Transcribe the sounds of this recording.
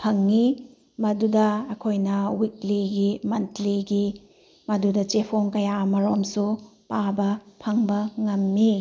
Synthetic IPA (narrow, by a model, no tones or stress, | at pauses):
pʰɐŋːi | mɐdudɐːkʰojnɐwik̚liɡimɐntliɡi | mɐdudɐt͡ʃepʰoŋkɐjamɐɾomsupabɐpʰɐŋbɐŋɐmːi